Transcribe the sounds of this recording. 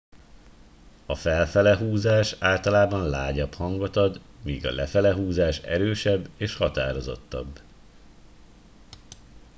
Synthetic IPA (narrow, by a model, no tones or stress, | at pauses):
ɒfɛlfɛlɛɦuːzaːʃaːlt̪ɒlaːbɒnlaːɟɒphɒŋɡɒt̪ɒd̪miːɡɒ̰lɛfɛlɛɦuːzaːʃɛ̰ɾøːʃɛbːeːʃhɒt̪a̰ːɾo̞zo̞̰t̪ːɒ̰bː